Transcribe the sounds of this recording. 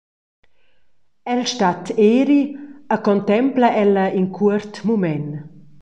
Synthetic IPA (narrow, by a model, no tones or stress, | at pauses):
ɛlʃtat̪eːɾiəkɔnt̪ɛmplaʔɛlɐinkʰuəɾt̪mumɛn